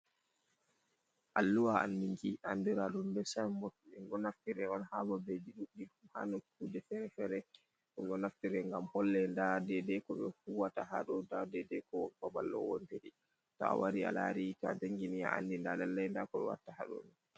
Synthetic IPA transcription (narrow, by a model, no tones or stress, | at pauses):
ʔalːuwaandiŋɡiʔanduɾaɗumbɛsajmɔtːɛŋɡɔnaftiɾɛɔnhabɔbed͡ʒiɗuɗiɗumha̰nɔkudɛfɛɾɛfɛɾɛ | ɗuŋɡɔnaftiɾɛŋɡamhɔlːɛndadɛdɛkɔɓɛfuwatːaha̰ɗɔdadɛdɛkɔwɔbabalːɔ̰wɔntehi | tɔ̰waɾia̰la̰ɾita̰d͡ʒaŋɡinia̰a̰ndindadɛlːɛjndakɔɓɛ̰wa̰tːaha̰ɗɔ̰ni